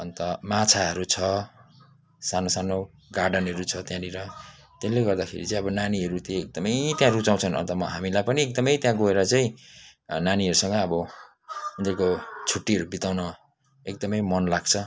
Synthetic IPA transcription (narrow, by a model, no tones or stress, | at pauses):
ʌnt̪ʌmat͡sʰaɦʌɾut͡sʰʌ | sanosano | ɡarɖʌnɦʌɾut͡sʰʌt̪jãniɾʌ | t̪elːeɡʌrd̪akʰḛɾḭt͡saĩʌbʌnaniɦʌɾut̪eek̚d̪ʌmʌjt̪jãrut͡saw̃t͡sʰʌnʌ̰nt̪ʌmʌɦamilajpʌniek̚d̪ʌmʌjt̪jãɡoeɾʌt͡saĩ | naniɦʌɾusʌ̃ŋɡʌːbʌ | unt̪erkot͡sʰuʈːiɦʌɾubit̪awnʌ | ek̚d̪ʌmʌjmʌnlaɡt͡sʰʌ